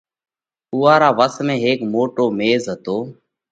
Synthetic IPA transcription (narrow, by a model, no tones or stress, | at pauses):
ʊːaːɾaːʋəsmẽːɦeːkmoːʈoːmeːzɦət̪oː